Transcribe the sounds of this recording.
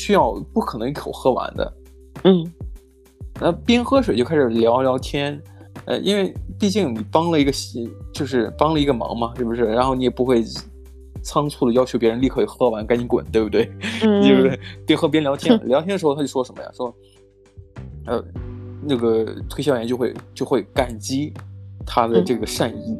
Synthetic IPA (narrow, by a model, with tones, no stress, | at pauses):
ɕy˥jɑ˥˧ʊpu˥˩kʰɤ˨˩nɤ˧˥ŋi˥˩kʰo˨˩ʊxɤ˥wa̰˧˥nd̪ə̰˧ | n̩˥˩ | na˥˧˩pjɛ˥nxɤ˥ʂ̬we˨˩t͡ɕjo˥˧a˥ʂɻ̩˨˩ljɑ˧˥ʊljɑ˧˥ʊt̪ʰjɛ˥n | ə̰˥˧ʔḭ˥nwe˥˩ɪpi˥˧t͡ɕi˥˩ŋni˨˩pɑ˥ŋlə˨i˧˥ɡə˧ɕt͡ɕjo˥˧ʊʂ̬ɻ̩˥˧˩pɑ˥ŋlə˨i˧˥ɡə˧mɑ̰˧˥ŋmɐ˧ʂw̩˥˩bu˩ʂɻ̩˥˩ɻa˧˥nxo˥˩ni˧jɛ˨˩pu˧˥xwe˥˩ɪ | t͡sʰɑ˥ŋt͡sʰu˥˩d̪ə˩jɑ˥ʊt͡ɕʰjo˧˥p̬jɻə˧˥li˥˩kʰɤ˧˩i˨˩xɤ˥wa˧˥nka˥ɪni˧˥kwə̰˨˩˦nt̪we˥˩bu˩we˥˩ɪe˥˩be˥˩pjɛ˥nxɤ˥˩p̬jɛ˥nljɑ˧˥ʊt̪ʰjɛ˥nljɑ˧˥t̪ʰjnə˩ʂ̩˧˥˧t̪ʰa˥t͡ɕʊ˩ʂwɔ˥˩ʂə˧˥mə̰˧ja̰˨swɔ˥i˨˩ | ə̰˧˩nɤ˥˩ɡə˩t̪ʰwɕjɑ˥˩ʊjɛ˧˥nt͡ɕjxwe˥˧ɪt͡ɕjo˥˧ʊxwe˥˩ɪka˨˩nt͡ɕi˥t̪ʰa˥d̪ə˨˧ʈ͡ʂɤ˥˩ɡə˩ʂa˥˧ni˥˩